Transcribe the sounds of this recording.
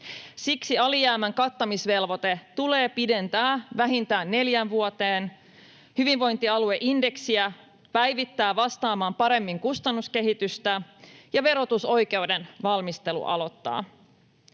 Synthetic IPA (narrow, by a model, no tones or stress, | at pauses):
siksiɑlijæːmæŋkɑt̪ːɑmisʋe̞lʋo̞t̪et̪ule̞ːpide̞nt̪æːʋæɦint̪æːnːe̞ljænʋuot̪eːn | hyʋiɱʋo̞jnt̪iɑlueʔinde̞ksiæ | pæjʋit̪ːæːʋɑst̪ɑːmɑːmpɑɾe̞mːiŋkust̪ɑnːuske̞ɦit̪yst̪æjɑʋe̞ɾo̞t̪uso̞jke̞ude̞nʋɑlmist̪e̞lṵʔɑ̰lo̞t̪ːɑ̰ː